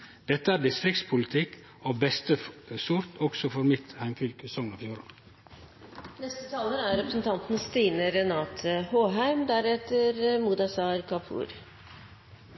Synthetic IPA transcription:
d̪̥ɛt̪ːəæːɾd̪ɪst̪ɾɪk̚t̪spʰʊlɪt̪ʰɪkː | oːbɛst̪əsʊɾt̪ʰɔɡsɔfɔɾmɪt̪hæɪmfʏlkəsɔŋnɑfjuːɾɑ̰ | nɛst̪ət̪ʰɑːləɾæɾɾɛpɾəsn̩t̪ʰɑnt̪nst̪iːnəɾɛnɑːt̪ʰhoːɦæɪmd̪æɾɛt̪əɾmud̪ɑsɑɾkʰɑpʰṵːɾ

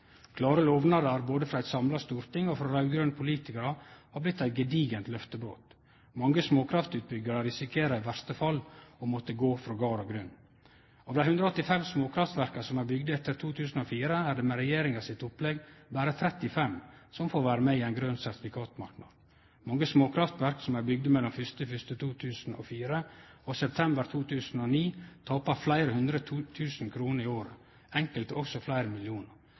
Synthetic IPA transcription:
kʰlɑːɾəloːʋnɑɾəɾboːd̪əfɾɑæɪt̪sɑmlɑst̪uːɾt̪ɪŋːɔfɾɑɾɑʉɡɾønpʰʊliːt̪ɪkəɾəhɑːɾblɪt̪ːæɪt̪ɡɛd̪iːɡənt̪lœft̪əbɾo̰ːt̪ | mɑŋːəsmoːkʰɾɑft̪ʉːt̪̚bʏɡːəɾəɾɪsɪkʰeːɾəɪʋæɾst̪əfɑlːɔmɔt̪ːəɡoːfɾɔɡɑːɾɔɡɾʏn | ɑʋd̪æɪhʉnd̪ɾɑɔt̪ːɪfɛmsmoːkʰɾɑft̪ʋæɾkɑsɔmæɾbʏɡd̪əɛt̪ːəɾt̪ʰuːt̪ʰʉːsn̩oːfiːɾəæːɖ̪ɛmɛɾɛjeːɾɪŋɑsɪt̪ʊplɛɡbæːɾət̪ʰɾɛt̪ːɪfɛmsɔmfoːɾʋæːɾəmɛiːæɪnɡɾøːnsæɾt̪ɪfɪkʰɑːt̪mɑɾknɑ̰d̪ | mɑŋːəsmoːkʰɾɑft̪ʋæɾksɔmæɾbʏɡ̚d̪əmɛlːɔmfʏst̪əfʏst̪ət̪ʰuːt̪ʰʉːsn̩ʔɔ̰fiːɾəɔsɛp̚t̪ʰɛmbəɾt̪ʰuːt̪ʰʉːsn̩ɔniːt̪ʰɑːpəɾflæɪɾəhʉnd̪ɾət̪ʰuːt̪ʰʉːsn̩kʰɾuːnəɾɪoːɾə | ɛŋkəlt̪əɔksɔflæɪɾəmɪlɪuːnəɾ

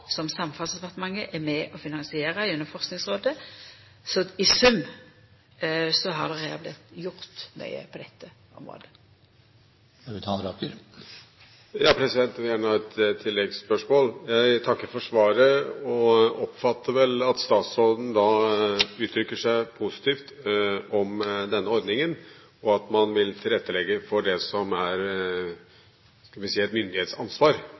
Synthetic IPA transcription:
sɔmsɑmfɑlsd̪pɑʁt̪əmɑŋːəʔɛmɛʔɔfɪnɑnsɪeːɾɑʉnːəfɔʁsknɪŋsʁoːd̪ə | sɔɪsʉm | sɔɦɑʁd̪ɛʁɛɑblɪ̰t̪jʊʁt̪mœ̰ʏə̰pʰɔd̪ɛt̪ʰːə | ʊ̰mʁo̰ːd̪ə | t̪ʰɑːəɾɑkəɾ | jɑːpʰɾɛsɪd̪ɛnt̪ænɑɛt̪t̪ʰːɪlːɛɡspœʂmoːljæɪt̪ʰɑkːəɾfɔʂʋɑːɾəɔɔpfɑt̪ːəʋɛlɑt̪st̪ɑːt̪sɔld̪n̩d̪ɑ | ʉːt̪ʰɾʏkːəʂæɪpʰusɪ̥t̪ʰiːft̪ɔmd̪ɛnːəɔɾd̪nɪŋən | ɔɑt̪mɑnʋɪlt̪ʰɪlɾɛt̪ːəlɛɡːəfɔɖɛsɔmæɾ | skɑlʋɪsiːɛt̪mʏnd̪ɪheːt̪sɑnsʋɑːɾ

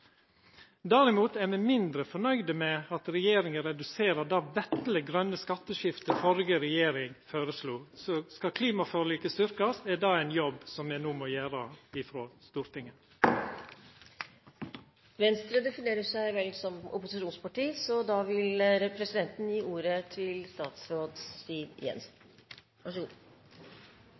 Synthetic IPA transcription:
d̪æɾɪmuːt̪æmɛmɪnd̪ɾəfɔɳœʏd̪əmɛɑt̪ɾɛjeːɾɪŋəɾɛd̪ʉseːɾəd̪ɑːʋɛt̪ləɡɾœnːəskɑt̪ːəʃɪft̪əfɔɾɡəɾɛjeːɾɪŋføːɾəsluːsɔskɑkʰliːmɑføɾliːkəst̪ʏɾkɑsɛd̪ɑːæɪnjɔbsɔmɛnuːmoːjæːɾəɪfɾoːst̪uːɾt̪ɪŋən | ʋɛnst̪ɾəd̪ɛfɪneːɾəʂæɪʋɛlsɔmʔʊ̰pʊsɪʃuːnspɑʈiːsɔd̪ɑːʋɪlɾɛpʰɾɛsɪd̪ɛnt̪n̩jiːʔuːɾət̪ʰɪlst̪ɑːt̪sɾoːd̪st̪iːʋjɛ̰ns | ʋɑʂəɡuː

